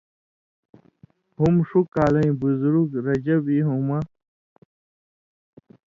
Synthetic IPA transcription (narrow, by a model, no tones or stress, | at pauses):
humʂukaːlɐ̃ĩbuzuɾuɡɾɐd͡ʑɐbiɦuma